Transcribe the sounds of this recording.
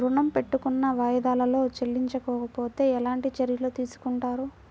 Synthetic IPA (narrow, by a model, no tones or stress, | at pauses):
ɾuɳɐmpe̞ʈːukunːɐʋaːjɐd̪aːlɐlo̞ːt͡ʃelːiɲt͡ʃɐkɔːkɐpo̞ːt̪e̞ːɛlaːɳʈit͡ʃɐɾjɐloːt̪iːsu̥kuɳʈaːɾu